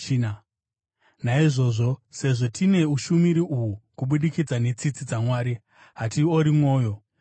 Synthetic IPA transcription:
na | naiʐo̞ːʐo̞se̞ʐo̞tʰine̞uʃumiɾiʔuukuɓuɗikid͡zane̞t͡sit͡sid͡zamwaːɾi | ɦatioɾimwo̞ːjo̞

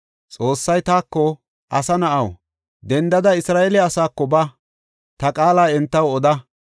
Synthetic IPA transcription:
t͡sʼo̞ːsːɐjt̪aːkːɔ | ʔɐsɐnɐʔɐw | d̪ɛnd̪ɐd̪ɐɪsɾaːeːlɪɐsaːkːɔbɐ | t̪ɐkʼaːlaːɛnt̪ːɐwɔd̪ɐ

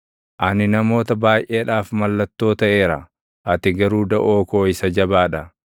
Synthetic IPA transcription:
ʔɐnɪnɐmo̞ːt̪ɐbaːjʔe̞ːᶑaːfmɐlːɐt̪ːo̞ːt̪ɐʔe̞ːɾɐ̰ | ʔɐt̪ɪɡɐɾuːd̪ɐʔoːko̞ːɪsɐd͡ʒɐbaːᶑɐ

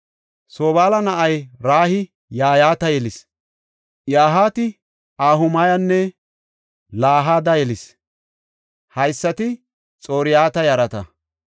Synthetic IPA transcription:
soːbaːlɐnɐʔɐjɾaːhɪ | jaːjaːt̪ɐjɛlɪs | jaːɦaːt̪ɪ | aːɦʊmaːjɐnːɛ | laːɦaːd̪ɐjɛlɪs | hɐjsːɐt̪ɪ | t͡sʼo̞ːɾɪjaːt̪ɐjɐɾɐt̪ɐ̰

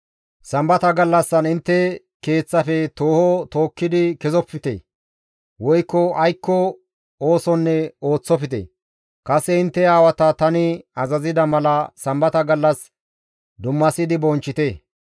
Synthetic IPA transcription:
sɐmbɐt̪ɐɡɐlːɐsːɐnɪnt̪ːɛ | ke̞ːt͡sːɐfɛt̪oːhɔt̪o̞ːkːɪd̪ɪkɛzɔpːɪt̪ḛ | wɔjkːɔɐjkːɔ | oːsɔnːɛo̞ːt͡sːɔpɪt̪ḛ | kɐsɛɪnt̪ːɛaːwɐt̪ɐt̪ɐnɪɐzɐzɪd̪ɐmɐlɐsɐmbɐt̪ɐɡɐlːɐs | d̪ʊmːɐsɪd̪ɪbɔnt͡ʃːɪt̪e

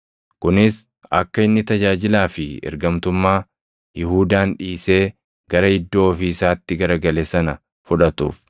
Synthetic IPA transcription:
kʊnɪs | ʔɐkːɐɪnːɪt̪ɐd͡ʒaːd͡ʒɪlaːfɪɛ̰ɾɡɐmt̪ʊmːaː | jɪhuːd̪aːnᶑiːse̞ː | ɡ̥ɐɾɐɪd̪ːo̞ːfiːsaːt̪ːɪɡɐɾɐɡɐleːsɐnɐ | fʊᶑɐt̪ṵːf

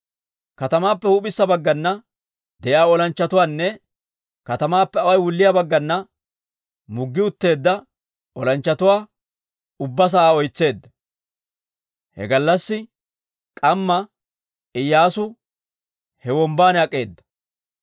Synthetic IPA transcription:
kɐt̪ɐmaːpːɛhuːpʼɪsːɐbɐɡːɐnːɐ | d̪ɛjaːɔlɐnt͡ʃːɐt̪ʊwaːnːɛ | kɐt̪ɐmaːpːɛɐwɐjwʊlːɪjaːbɐɡːɐnːɐ | mʊɡːɪʊt̪ːe̞ːd̪ːɐ | ɔlɐnt͡ʃːɐt̪ʊwaː | ʊbːɐs̬ɐʔaːɔjt͡sːe̞ːd̪ːɐ | hɛ̰ɡɐlːɐsːɪ | kʼɐmːɐ | ʔɪjːaːsʊ | hɛwɔmbaːnɛɐkʼːe̞ːd̪ːɐ̥

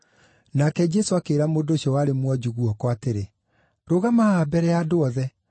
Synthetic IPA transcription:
nakɛd͡ʑɛsoakeːɾamoːdoɕiɔwaɾemwɔd͡ʑuɣuɔkɔateɾe | ɾoɣamaabɛɾɛadoɔðɛ

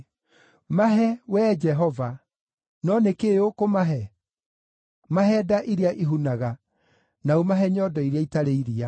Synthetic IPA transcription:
maɦɛwɛd͡ʒɛɦɔva | nɔnekeokomaɦɛ | maɦɛdaʔiɾeaʔiɦunaɣa | naumaɦɛɲɔdɔiɾeaitaɾeiɾia

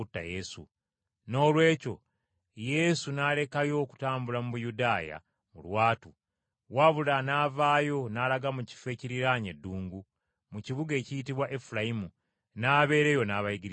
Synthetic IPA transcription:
utːa̰jesṵ | no̞ːlwe̞ːco̞̰ | je̞sunale̞kajo̞ku̥taːmbulamuβujudaːja̰ | mṵlwaːtu | waβulanaːvaːjo̞nalaɡamuci̥fe̞ːciɾiɾaɲedːuːŋɡu | muciβuɡe̞ːcijitiβwaʔe̞fulajimu | naːβe̞ːɾe̞jo̞naːβajiɡiɾ

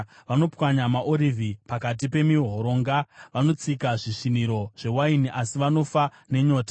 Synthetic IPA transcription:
ʋano̞pwaɲamaʔo̞ɾivʱipakat̬ipe̞miɦo̞ɾo̞ːŋɡaʋano̞t͡sikaʐiʂiniɾo̞ʐ̥e̞wainiʔasiʋano̞fa | ne̞ɲo̞ːtḁ

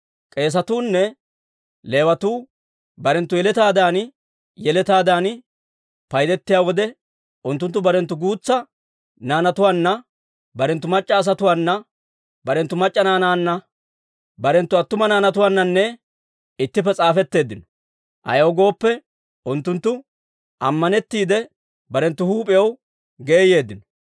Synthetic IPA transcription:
kʼe̞ːs̬ɐt̪uːnːɛ | le̞ːwɐt̪uː | bɐɾɛnt̪ːʊjɛlɛt̪aːd̪aːn | jɛlɛt̪aːd̪aːn | pɐjd̪ɛt̪ːɪjaːwɔd̪ɛ | ʔʊnt̪ːʊnt̪ːʊbɐɾɛnt̪ːʊɡuːt͡sːɐ | naːnɐt̪ʊwaːnːɐ | bɐɾɛnt̪ːʊmɐt͡ʃʼːɐːs̬ɐt̪ʊwaːnːɐ | bɐɾɛnt̪ːʊmɐt͡ʃʼːɐnaːnaːnːɐ | bɐɾɛnt̪ːʊɐt̪ːʊmɐnaːnɐt̪ʊwaːnːɐnːɛ | ɪt̪ːɪpːɛt͡sʼaːfɛt̪ːe̞ːd̪ːɪnɔ̥ | ʔɐ̰jɐwɡo̞ːpːɛ | ʔʊnt̪ːʊnt̪ːʊ | ʔɐmːɐnɛt̪ːiːd̪ɛ | bɐɾɛnt̪ːʊhuːpʼɪjɐw | ɡe̞ːje̞ːd̪ːɪnɔ

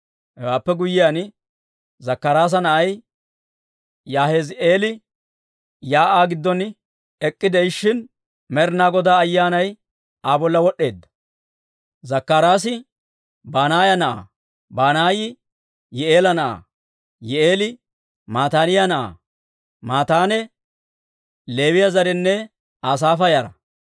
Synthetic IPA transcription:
hɛwaːpːɛɡʊjɪjaːnɪ | zɐkːɐɾaːs̬ɐnɐʔɐj | jaːhe̞ːze̞ːlɪ | jaːʔaːɡɪd̪ːɔn | ɛkʼːɪd̪ɛjʃːɪn | mɛɾnaːɡɔd̪aːɐjːaːnɐj | aːbɔlːɐwɔɗːe̞ːd̪ːɐ̥ | zɐkːaːɾaːs̬ɪ | baːnaːjɐnɐʔa̰ː | baːnaːjɪ | jɛe̞ːlɐnɐʔa̰ː | jɛeːlɪ | maːt̪aːnɪjanɐʔa̰ː | maːt̪aːnɛ | le̞ːwɪjɐzɐɾɛnːɛ | aːs̬aːfɐjaɾɐ̰

